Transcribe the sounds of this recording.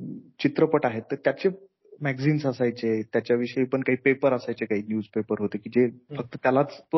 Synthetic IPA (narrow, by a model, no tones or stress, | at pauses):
t͡ɕit̪ɾəpəʈaɦet̪ːəɾt̪jat͡ɕe | mæɡd͡ziːnsəsajt͡set̪jat͡ɕjaʋiʂəipəɳkaɦiːpepəɾəsajt͡sekaɦiːnjuːd͡zpepəɾɦot̪ekid͡ʑefək̚t̪ət̪jalat͡st̪o